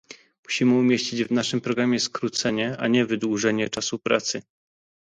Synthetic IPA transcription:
muɕimɘumʲjeɕt͡ɕid͡ʑvnaʂɘmpɾɔɡɾamʲjɛskɾut̪sɛɲɛa̰ɲɛvɘd̪wuʐɛɲɛt͡ʂasupɾa̰t̪sɘ

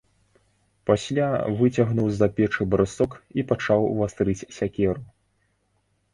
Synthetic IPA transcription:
pasʲlʲavɨt͡sʲaɣnuwzapʲɛt͡ʂɨbɾɨsɔkipat͡ʂawvast̪ɾɨt͡sʲsʲakʲɛɾu

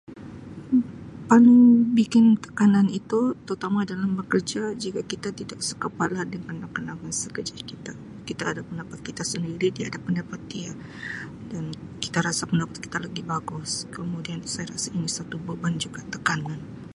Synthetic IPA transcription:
panubikɪnt̪ə̥kananit̪ut̪əɾut̪amadalambəkərd͡ʒad͡ʒikakit̪at̪idaʔsəkəpalahdəŋanːakənaŋansəkərd͡ʒakit̪a | kit̪aːdapəndapat̪̚kit̪asəndiɾidiadapəndapat̪ːia | dan | ki̥t̪aɾasapəndapat̪̚ki̥t̪alaɡibaɡʊskəmudiansajaɾasainisat̪ubəband͡ʒuɡat̪əkanan

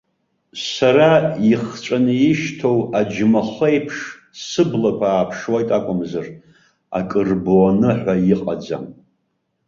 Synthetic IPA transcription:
saɾaiχt͡ʃʷʼanɨjɪʃtʰowad͡ʒmaχejpʰʂ | sɨblakʷʰaːpʰʂwajtʼakʷʼʊmzar | a̰kʼɨrbwanɨħʷᶣajɪqʼad͡za̰m

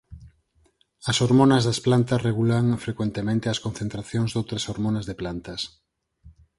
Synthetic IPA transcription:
ɐsoɾmonɐzðɐsplant̪ɐsreɣulaŋfɾekwent̪emẽnt̪eɐskonθent̪ɾaθjõŋzðowt̪ɾɐsoɾmonɐzðeplant̪ɐs

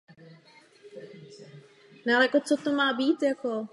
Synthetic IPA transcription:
nɛalɛjakot͡sot̪omaːbiːt̪jako

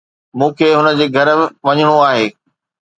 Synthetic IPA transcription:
mũːkʰeːɦʊnə̆d͡ʑeːɡʱɐɾɪʋɐɲəɽ̃oaːɦeː

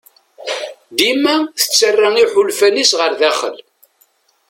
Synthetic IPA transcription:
d̪imæθə̥t͡sːərːaŋiħʊlfænisʁəɾðæχə̰l

